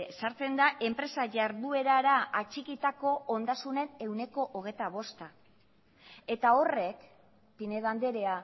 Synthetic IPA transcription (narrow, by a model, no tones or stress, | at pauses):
saɾt͡se̞nd̪aʔe̞mpɾe̞saʝaɾðue̞ɾaɾaat͡ʃikit̪ako̞ond̪asune̞ne̞wne̞ko̞ʔoɣ̞ejt̪aβ̞o̞st̪a | e̞t̪ao̞re̞k | pine̞ðand̪e̞ɾe̞a